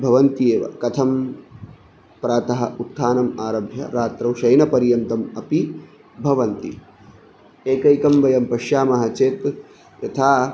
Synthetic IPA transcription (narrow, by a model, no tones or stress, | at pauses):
bʱɐʋɐnt̪ieːʋɐ̰kɐt̪ʰɐm | pɾaːt̪ɐɦɐʔut̪ʰːaːnɐmaːɾɐbʱjɐ̰ɾaːt̪ɾɐwʃɐjnɐpɐɾjɐnt̪ɐmɐpi | bʱɐʋɐnt̪ḭ | eːkɐjkɐmʋɐjɐmpɐʃjaːmɐɦɐt͡ʃeːt̪ | jɐt̪ʰaː